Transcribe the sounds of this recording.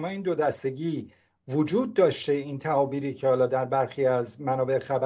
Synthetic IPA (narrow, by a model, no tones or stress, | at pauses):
mɒːiːnd̪o̞d̪æst̪e̞ɟiː | vod͡ʒuːd̪̚ːɒːʃt̪e̞iːnt̪ʰæɒːbiːɾiːcʰehɒːlɒːd̪æɾbæɾxiːæzmænɒːbe̞ʔxæbæ